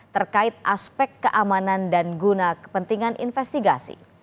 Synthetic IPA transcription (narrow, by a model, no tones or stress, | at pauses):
t̪ərkaɪt̪̚ʔaspɛkːəʔamanandanɡunakə̥pənt̪iŋanʔḭnfɛst̪iɡasḭ